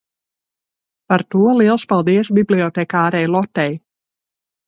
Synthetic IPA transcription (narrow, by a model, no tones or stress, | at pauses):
part̪uəliəlˠspalˠd̪iəsbibliɔtɛkaːɾɛjlˠɔtːɛj